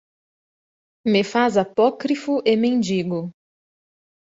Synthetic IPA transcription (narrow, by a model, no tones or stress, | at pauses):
mefazapɔkɾifʊʔemẽnd͡ʒiɡʊ